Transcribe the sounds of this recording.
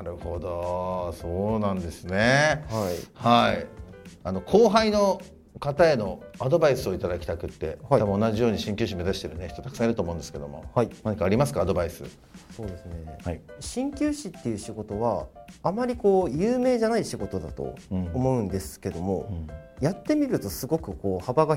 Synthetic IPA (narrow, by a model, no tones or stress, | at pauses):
aɾɯ̟hod̪oso̞ːnãnd̪e̞sɨnehahaḭano̞kʰo̞ːɦaino̞ | kat̪ae̞no̞ad̪o̞baisɨo̞it̪ad̪akʲi̥t̪akɯ̟t̪ːe̞̰aamoːnaʑijo̞ːɲ̟iɕĩŋkʲɨːɕime̞zaɕi̥t̪e̞ɾɯ̟neçi̥t̪ot̪akɯ̥sãiɾɯ̟t̪oːmõ̟nd̪eɨ̥ke̞d̪o̞̰mo̞̰hainaɲ̟ikaːɾʲimasɨ̥kaːd̪o̞baisɨ̰ | so̞ːd̪e̞sɨne̞aɕĩŋkʲɨːɕit̪ːe̞jɯ̟ɕiɡo̞t̪o̞βaːmaɾʲiko̞ːjɯːme̞ːʑanaiɕiɡo̞t̪o̞d̪a̰t̪o̰ːmo̞ɯ̟̃nd̪e̞sɨ̥ke̞d̪o̞mo̞jat̪ːe̞mʲiɾɯ̟t̪o̞sɨɡo̞kɯ̟ko̞ːhabaɡa